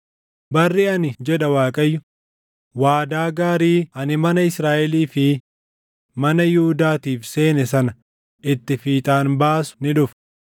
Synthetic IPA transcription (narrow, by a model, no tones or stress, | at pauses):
bɐrːiːɐnɪd͡ʒɛᶑɐwaːkʼɐjːʊ | waːd̪aːɡaːɾiːʔɐnɪmɐnɐɪsɾaːʔɛliːfɪ | mɐnɐjʊhʊd̪aːt̪iːfse̞ːnɛsɐnɐ | ʔɪt̪ːɪfiːt̪ʼaːnbaːsʊ̥nɪᶑʊf